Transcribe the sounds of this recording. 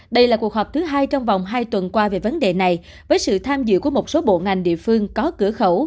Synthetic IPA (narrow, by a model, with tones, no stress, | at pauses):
ɗə˧jlaː˨˩ku˨˩ək̚ɦɔː˨˩p̚t̪ʰɨ˨˦ɦaː˧jt͡ɕɔ˧wŋ͡mva˨˩wŋ͡mɦaː˧jt̪wə˨˩nkwaː˧ve˨˩və˨˦nɗe˨˩na˨˩j | vəː˨˦jsɨ̰˧˨t̪ʰaː˧mzɨ̰˧˨ku˧˩əmo˨˩t̚so˨˦ɓo̰˧˨ŋa˨˩jŋ̟ɗḭ˧˨əfɨ˧əŋkɔ˨˦kɨ˧˩əxə˧˩w